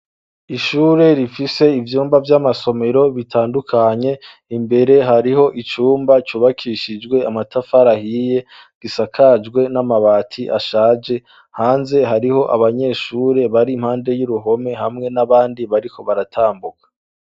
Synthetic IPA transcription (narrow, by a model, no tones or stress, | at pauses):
iʃuːɾe̞ɾifise̞ivjuːmbavjamaso̞me̞ɾo̞βitʰaːndukʰaɲe̞ | imbe̞ɾe̞ɦaɾiɦo̞ʔit͡ʃuːmbat͡ʃuːβakʰiʃid͡ʒɡwe̞amatʰafaɾahiːje̞ | ɡ̥isakʰad͡ʒɡwe̞namaβaːtʰiʔaʃaːd͡ʒe̞ | haːnze̞ɦaɾiho̞ʔa̰βaɲe̞ːʃuɾe̞βaɾimhaːnde̞juɾuɦo̞me̞ɦamŋe̞naβaːndiβaɾikʰo̞βaɾatʰaːmbukḁ